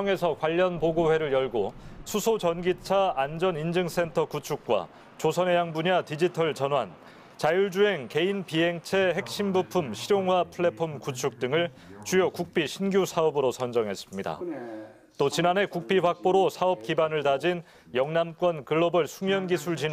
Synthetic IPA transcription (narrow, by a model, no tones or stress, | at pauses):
ʌŋe̞sʰʌkwaʎːʌnpoɡoɸwe̞ɾɯɭjʌɭɡosʰusʰot͡ɕʌnɡit͡ɕʰaːnd͡ʑʌnind͡ʑɯŋs͈ʰe̞ntʰʌkut͡ɕʰuk̚k͈wa̰ | t͡ɕosʰʌnɦejaŋbuɲatid͡ʑitʰʌɭt͡ɕʌnwan | t͡ɕajuɭd͡ʑuɦe̞ŋke̞inpiɦe̞ŋt͡ɕʰe̞ɦe̞k̚ɕ͈imbupʰumɕʰiɾjoŋwapʰuɭːe̞pʰomkut͡ɕʰuk̚t͈ɯŋɯɭ | t͡ɕujokuk̚p͈iɕʰinɡjusʰaʌbɯɾosʰʌnd͡ʑʌŋɦe̞s͈ɯmɲida̰ | t͈ot͡ɕinane̞kuk̚p͈iɸwak̚p͈oɾosʰaʌp̚k͈ibanɯɭtad͡ʑin | jʌŋnamk͈wʌnkɯɭːʌbɯɭsʰuŋjʌnɡisʰuɭd͡ʑi